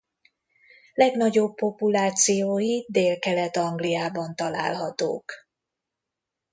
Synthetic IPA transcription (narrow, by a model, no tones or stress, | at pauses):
lɛɡnɒɟo̞bːo̞pulaːt̪sijoːjid̪eːlkɛlɛt̪ɒŋɡlijaːbɒnt̪ɒla̰ːlɦɒt̪o̰ːk